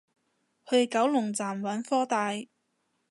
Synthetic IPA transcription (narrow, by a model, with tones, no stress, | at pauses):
hɵ˧kɐ˨˥wlʊ˨˩ŋt͡saː˨˩mwɐ˨˥nfɔː˥t̪aː˧j